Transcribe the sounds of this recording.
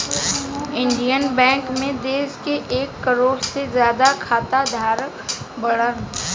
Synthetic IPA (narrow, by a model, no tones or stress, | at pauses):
ɪ̃ɳɖijənbɛ̃ːŋkmẽd̪eːskeʔeːkːəɾoːɽsezjaːd̪akʰaːt̪ad̪ʱaːɾ | bəɽən